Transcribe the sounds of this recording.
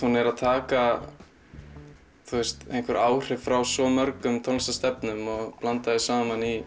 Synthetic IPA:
hunɛɾaðt̪ʰaːka | θuɛst̪ḛjnkvɛɾʔaːwr̥ɪfɾawsɔmœɾkʏmt̪ʰɔlsast̪ɛpnʏmɔɣplant̪aðɪsaːmani

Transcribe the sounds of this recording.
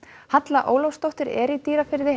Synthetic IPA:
hat̪laʔo̰ːwlowst̪owht̪ʏɾɛɾit̪iːɾafɪɾðɪ

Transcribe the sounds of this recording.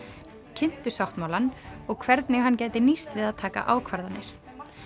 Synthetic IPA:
cʰɪn̥t̪ʏsawht̪mawlanɔɣkʰvɛɾt̪nɪɦanːcaːjt̪ɪnist̪vɪðaðt̪ʰaːka̰ʔaːwkʰvaɾðanːɪɾ̥

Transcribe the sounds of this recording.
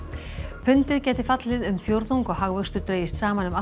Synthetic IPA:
pʰʏnt̪ɪðcɛːt̪ɪfat̪lɪðʏmfjowɾðuŋkɔɣɦaɣvœst̪ʏɾt̪ɾeːjɪst̪saːmanʏma

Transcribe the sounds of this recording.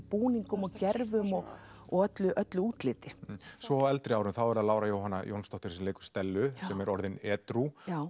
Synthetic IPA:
puːniŋkʏmɔcɛɾvʏmɔɣɔɣœt̪lʏʔœt̪lʏuːt̪lɪːt̪ɪsvɔɛlt̪ɾɪaːwɾʏmθawɛɾaðlaːwɾajowhɦanːa̰jʔownst̪ɔht̪ʏ̥ɾ̥sɛmleːjkʏ̥st̪ɛlːʏsɛmɛɾɔɾðɪnɛːt̪ɾu

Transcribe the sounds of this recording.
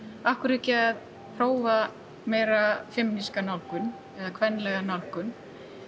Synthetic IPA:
ahkʏɾɛcɪað | pʰroːwva | meːjɾafɪmniskanawlkʏn | ɛðakʰvɛnːlɛɣanawlkʏn

